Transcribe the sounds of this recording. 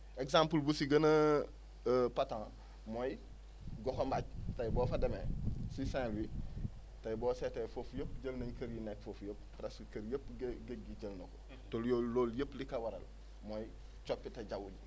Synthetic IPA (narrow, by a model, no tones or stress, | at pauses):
eksãmpulbusiɡɐnɐ | patã | moj | ɡɔkombaɟtajboːfademḛsisẽːwi | tajboːsetefofjəpɟəlnɐɲkɐɾjinekfofjəp̚pːɾeskɐɾjəpɡeɡiɟəlnɐko̥ | toljoloːljəplikɐwɐɾɐ̰l | moj | t͡ʃopːitɐɟawuɲ